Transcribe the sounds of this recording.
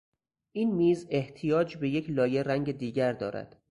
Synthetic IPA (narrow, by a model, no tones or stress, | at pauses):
ʔiːnmiːze̞ht̪ʰijɒːd͡ʒbe̞je̞cʰlɒːje̞ræŋɟe̞d̪iːɟæɾd̪ɒ̰ːɾæ̰d̪̥